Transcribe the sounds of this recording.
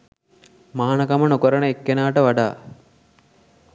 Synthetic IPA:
maːnɐkamənokəɾənəekːenaːʈəʋaɖa̰ː

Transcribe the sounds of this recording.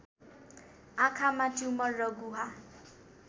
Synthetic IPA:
ãkʰamat͡ʃumʌrːʌɡuɦa

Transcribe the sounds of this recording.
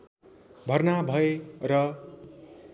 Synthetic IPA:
bʱʌrnabʱʌerʌ

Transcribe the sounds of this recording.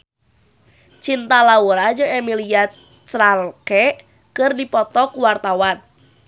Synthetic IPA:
t͡ʃint̪alauɾad͡ʒɨŋɛmiliat̪ | t͡ʃɾalkɛ | kɨrdipɔt̪ɔkuwart̪awan

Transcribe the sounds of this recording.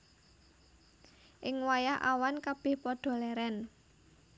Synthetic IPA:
ʔɪŋwajaɦʔa̰wankab̥ɪ̤hpɔɖ̪̥ɔ̤lɛɾɛn

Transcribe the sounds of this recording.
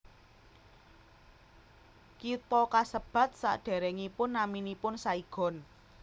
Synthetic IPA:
kit̪ɔkasəb̥a̤t̪̚sa̰ʔɖ̥ɛ̤ɾɛŋipʊnːaminipʊnsaiɡ̥ɔ̤n

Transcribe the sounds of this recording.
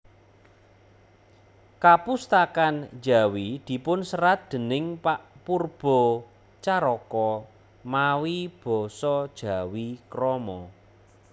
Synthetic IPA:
kapust̪akand͡ʒa̤wid̪̥i̤pʊnsəɾat̪̚d̪̥ə̤nɪŋpaʔpurb̥ɔ̤ | t͡ʃaɾɔkɔ | mawib̥ɔ̤sɔd̥ʒ̥ä̤wikɾɔmɔ

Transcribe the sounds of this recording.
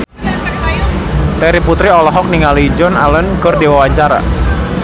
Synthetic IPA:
t̪ɛɾiput̪ɾiɔlɔɦɔk̚niŋalid͡ʒɔnalənkərdewawaɲt͡ʃaɾa̰

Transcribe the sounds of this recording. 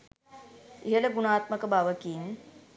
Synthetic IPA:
iɦələɡunaːt̪məkəbaʋəkiːn

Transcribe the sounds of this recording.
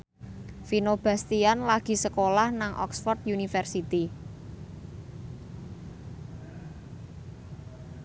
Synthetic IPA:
finob̥a̤st̪ianlaɡ̥i̤səkolahnaŋʔɔ̰ksfɔrt̪junifɛrsit̪i

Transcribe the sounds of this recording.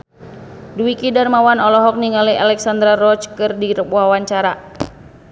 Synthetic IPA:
duwikidarmawanɔlɔɦɔk̚niŋalialɛksand̪ɾarɔt͡ʃkɨrdiɾəpuɦawaɲt͡ʃaɾa

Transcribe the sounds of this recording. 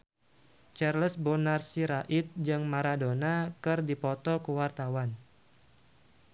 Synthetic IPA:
t͡ʃarləsbonarsiɾaʔɪt̪̚d͡ʒɨŋmaɾadonakɨrdipɔt̪ɔkəwart̪awan

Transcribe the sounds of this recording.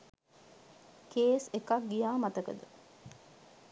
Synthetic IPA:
keːsekak̚ɡijaːmɐt̪əkə̰d̪ə

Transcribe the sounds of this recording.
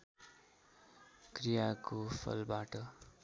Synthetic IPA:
krijakopʰʌ̰lbaʈʌ

